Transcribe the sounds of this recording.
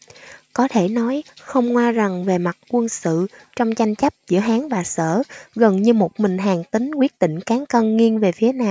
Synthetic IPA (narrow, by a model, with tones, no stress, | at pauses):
kɔ˨˦t̪ʰe˧˩nɔ˨˦jxə˧wŋ͡mŋwaː˧za˨˩ŋve˨˩ma˨˩t̚kwə˧nsɨ̰˧˨t͡ɕɔ˧wŋ͡mt͡ɕa˧jŋ̟t͡ɕə˦˥p̚zɨ̰˧˥əɦaː˨˦ŋvaː˨˩sə̰ː˧˩ɣə˨˩nɲɨ˧mo˨˩t̚mï˨˩ŋ̟ɦaː˨˩ŋt̪ï˨˦ŋ̟kwi˦˥ət̚ɗ̪ḭ˧˨ŋ̟kaː˨˦ŋkə˧ŋŋi˧ənve˨˩fi˨˦ənaː˧˩m